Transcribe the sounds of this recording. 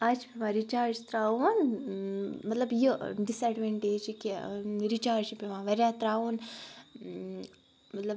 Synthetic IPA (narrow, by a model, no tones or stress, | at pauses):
ad͡ʒpemãɾit͡ʃaːɾd͡ʒt̪ɾaːun | mɐt̪lɐbjiɖisɐɖʋeɳʈeːd͡ʒkeɾit͡ʃaːɾd͡ʒpeʋãːʋɐɾjaːt̪ɾaːun | mɐt̪lɐb